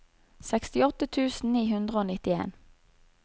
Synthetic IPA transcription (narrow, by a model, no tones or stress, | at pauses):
sɛkst̪ɪɔt̪ət̪ʰʉːsn̩niːɦʉnd̪ʁəoːnɪt̪ɪḛːn